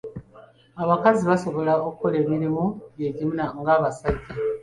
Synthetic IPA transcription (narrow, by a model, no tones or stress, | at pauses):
aβakaziβaso̞βo̞laokukole̞ːmiɾimojeɟiminaŋɡaːβasaɟːe